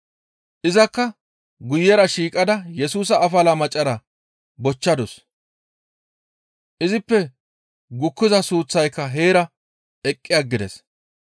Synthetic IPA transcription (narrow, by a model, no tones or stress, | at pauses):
ʔɪzɐkːɐ | ɡʊjːɛɾɐʃiːkʼɐd̪ɐjɛsuːs̬ɐːfɐlɐmɐt͡ʃʼːɐɾɐ | bɔt͡ʃːɐd̪ɔs | ʔɪzɪpːɛ | ɡʊkːɪzɐsuːt͡sːɐjkːɐɦe̞ːɾɐ | ɛkʼːɪjɐɡːɪd̪ɛ̰s